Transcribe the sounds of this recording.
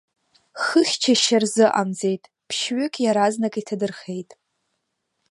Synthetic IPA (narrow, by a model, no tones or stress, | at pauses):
χəχʲt͡ʃʰaʃarzɨʔa̰md͡ze̞jtʼ | pʰʃɥʏkʲʼjaɾaznakʼitʰadɨrχe̞jtʼ